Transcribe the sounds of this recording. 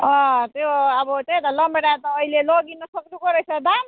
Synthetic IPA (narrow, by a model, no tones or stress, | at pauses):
ʌ̃t̪joʌbʌt͡set̪alʌmeɽat̪ʌːileloɡinʌsʌknukʌɾʌjt͡sʰʌd̪am